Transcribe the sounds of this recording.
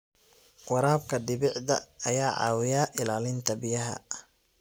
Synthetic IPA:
qʊɾaːbkʰɐdɪβɪʕd̪ɐ̰ɐjaːʕɑ̰ːwɪjaːʔɪlaːlɪnt̪ʰɐbɪjɐɦɐ̰

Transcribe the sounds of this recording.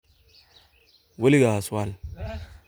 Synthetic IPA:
waliɡaaswal

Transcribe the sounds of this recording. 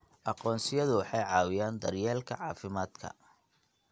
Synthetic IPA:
ʔɑqɔːnsɪjɐðʊwɑħɑjʕɑːwɪjaːnd̪ɐrjɛːlkʰɐ̰ʕɑːfɪmaːd̪kʰɐ̰

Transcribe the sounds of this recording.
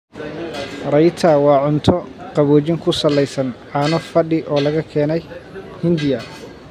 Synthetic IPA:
rɐjt̪ʰɐwɑːʕʊnt̪ʰɔqɑβɔːt͡ʃɪŋkʰʊsɐlɛjsɐnʕɑnɔfɐɖɪʔɔːlɐɣɐkʰɛːnɛj | hɪnd̪ɪjɐ

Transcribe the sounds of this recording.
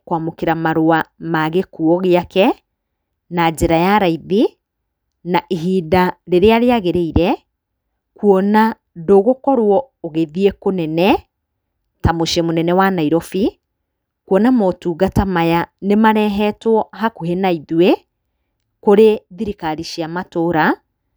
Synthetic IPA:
kwamokeɾamaɾoamaɣekuɔɣeakɛ | nad͡ʒɛɾajaɾaiði | naʔiɦiːdaɾeɾeaɾeaɣeɾeiɾɛ | kwɔna | doɣokɔɾwɔoɣeðiekonɛnɛ | tamoʃemonɛnɛwanaiɾɔfi | kwɔnamɔtuːɣatamajanemaɾɛɦɛtwɔhakuɦenaiðwe | koɾeðiɾikaɾiʃiamatoɾa

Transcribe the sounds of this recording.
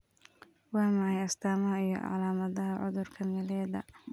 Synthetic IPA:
wɑːmɑʕɑjɐst̪ʰaːmɐɦɐijɔ̰ʔɑ̰ʕlaːmɐðɐɦɐʕʊ̰ðʊrkʰɐnɛlɛːðɐ̰

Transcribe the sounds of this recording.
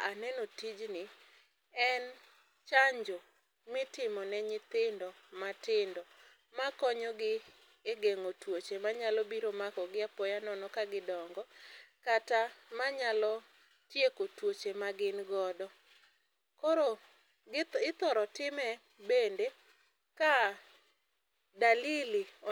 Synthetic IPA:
anɛnotid͡ʒnɪ | ɛn | t͡ʃaɲd͡ʒo | mɪtɪmɔnɛɲɪt̪ɪndɔ | matɪndɔ | makɔɲɔɡɪ | eɡeŋotwot͡ʃemaɲalɔbiɾomakɔɡɪapɔjanɔnɔkaɡɪdɔŋɡɔkatamaɲalɔ | tjekotwot͡ʃemaɡɪnɡɔdɔ | koɾo | ɪt̪ɔɾɔtɪmɛ | bende | ka | dalili

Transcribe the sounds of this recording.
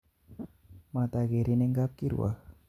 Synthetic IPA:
mat̪aɡeɾineŋɡap̚kiɾṵwa̰h

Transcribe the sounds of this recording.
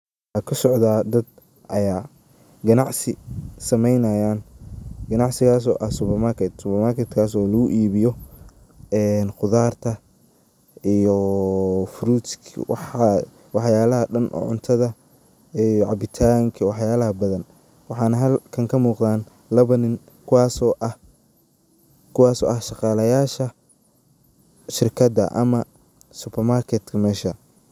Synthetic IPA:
ɑːkʰʊsɔʕd̪aːd̪ɐd̪̚ | ʔɐjaː | ɡɐnɑʕsɪsɐmɛjnɐjaːnɡ̥ɐnɑʕsɪɣaːs̬ɔ̰ːʔɐsʊpɐrmarkʰɛt̪sʊpɐmarkʰɛt̪kʰaːsɔːlɐɣʊʔiːβɪjɔ | ɛːnqʊðaːrt̪ʰɐ | ʔijɔ | fɾuːskʰwɑħ | wɑħjaːlɐɦɐɖɐnʔɔ̰ːʕʊ̰nt̪ʰɐðɐ | ʕɑbɪt̪ʰaːŋkʰɐwɑħjaːlɐɦɐbɐðɐn | wɑħɑːnɐɦɐlkʰɐŋkʰɐmuːqðaːn | lɐβɐnɪn | kʰʊwɑːsɔʔɐ | kʰʊwɑːsɔ̰ːʔɐhʃɑqɑːlɐjaːʃɐ | ʃɪrkʰɐd̪ɐ̰ʔɐ̰mɐ | sʊpʰɛrmaːrkʰɛt̪kʰɐmɛːʃɐ

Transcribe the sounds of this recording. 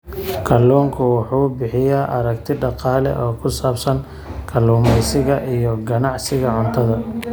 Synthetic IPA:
kʰɐluːŋkʰʊwɑħuːbɪħɪjaːʔɐɾɐkt̪ʰɪɖɑqɑːlɛ̰ʔɔːkʰʊsaːbsɐŋ | kʰɐluːmɛjsɪɣɐʔijɔɡɐnɑʕsɪɣɐʕʊnt̪ʰɐðɐ

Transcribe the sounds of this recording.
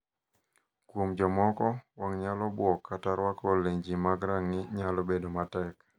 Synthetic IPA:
kwomd͡ʒɔmɔkɔwaŋɲalɔbwɔkːataɾwakoleɲd͡ʒimaɡɾaŋnɪɲalobedomatɛk

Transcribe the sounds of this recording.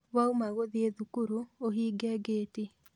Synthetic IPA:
waumaɣoðieðukuɾuoɦiːɡɛɡeːti

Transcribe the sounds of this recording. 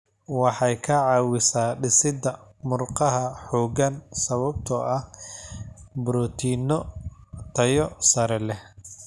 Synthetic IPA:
wɑħɑjkʰɐʕɑːwɪsaːɖɪsɪd̪ɐmʊrqɑɦɐħɔːɡɐnsɐβɐb̚t̪ʰɔʔɐh | bʊɾɔt̪ʰiːnɔt̪ʰɐjɔsɐɾɛlɛ

